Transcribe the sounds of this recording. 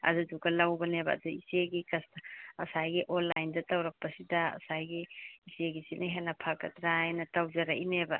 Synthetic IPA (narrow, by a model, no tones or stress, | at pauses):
ɐ̰duduɡɐlawbɐnebɐ̰ɐ̰duiseɡikɐsɐsajɡiʔɔnlːajndɐtawɾɐk̚pɐsidɐɐ̰sajɡiiseɡisinʔiɦenɐpʰakɐ̰tɾajnɐtawzɐɾɐʔinebɐ